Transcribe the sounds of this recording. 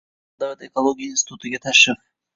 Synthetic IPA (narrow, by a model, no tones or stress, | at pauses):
d̪awat̪ekolˠoɡʲijainsʲɪt̪ʰut̪ɨɡʲat̪ʰaʃɪf